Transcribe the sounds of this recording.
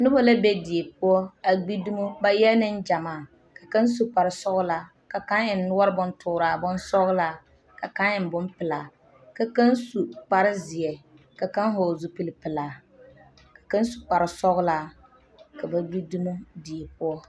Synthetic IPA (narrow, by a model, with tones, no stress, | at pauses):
nʊ˦bo˦la˦be˦di˨e˨p̚ʊ˦ɔ˦a˨ɡ͡bi˦du˦mu˦ba˦jɛ˦nɪ˦nd͡ʒa˨maː˦˨ | ka˨ka˦nsu˨k͡pa˨ɾɪ˨sɔ˦ɣʊ˦la˨ | ka˨ka˦nɪ˨nː˦ʊ˦a˦ɾbʊ˦ntʊː˨ɾa˨bʊ˦n˦sɔ˦ɣla˨ | ka˨ka˦nɪ˨n˨bʊ˦mpɪ˨laː˨ | ka˦ka˦nsu˨k͡pa˨ɾɪ˦zɪ˨jɛ˨ | ka˨ka˦nɦo˨zu˨pi˨lɪ˦pɪ˨laː˨ | kḁ˨ka˦n˦su˨k͡pa˨ɾɪ˨sɔ˦ɣʊ˦la˨ | ka˨ba˨ɡ͡bi˦du˦mu˦di˨e˨pʊ˦ɔ˦